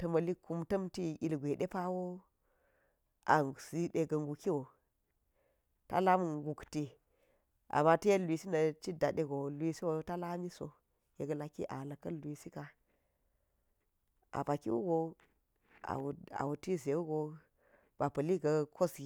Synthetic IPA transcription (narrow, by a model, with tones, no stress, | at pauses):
tɐ˦mɐ˨li˦ku˦mtɐ˦mti˦i˨lɡʷe˨ɗe˦pa˦wo˦ | ʔa̰˨si˦ɗe˨ɡɐ˨ŋɡu˨ki˦wo˨ | ta̰˦la˦mu˨ɡu˨kti˦ | ʔa̰˨mːa˦tɐ˦je˦lʷi˨si˦nɐ˨t͡ʃi˦da˨ɗe˦ɡo˨li˦si˦wo˨˦ta˦la˦mi˦so̰˨ | je˨ɡɐ˦la˦kḭ˦ʔa˨lɐ˨kɐ˦li˨si˦ka˦ | ʔa̰˨pa˨ki˦wṵ˦ɡo˦ | a̰˨wa̰˨wu˨ti˦ze˨wu˦ɡo˨ | b̥a˨pɐ˨li˦ɡɐ˨kʰo˦sɡi˨